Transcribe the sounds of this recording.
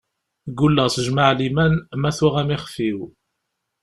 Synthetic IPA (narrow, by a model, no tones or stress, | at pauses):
ɡulːæʁsəʒmaʕlimænmæθʊʁæmɪχəfiw